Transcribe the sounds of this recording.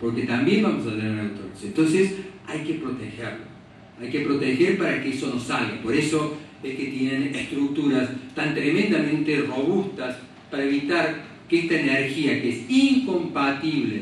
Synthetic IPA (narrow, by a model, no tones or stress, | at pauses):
po̞ɾket̪ambjembamosaenaɾent̪onsent̪onsesajkepɾo̞t̪exeɾlo̰ | ajkepɾo̞t̪exeɾpaɾakeeso̞nosalɡapo̞ɾeso̞esket̪jenenest̪ɾuk̚t̪uɾast̪ant̪ɾemẽnd̪amẽnt̪ero̞βust̪as | paɾaeβit̪aɾ | keest̪aeneɾxiakeesiŋko̞mpat̪iβle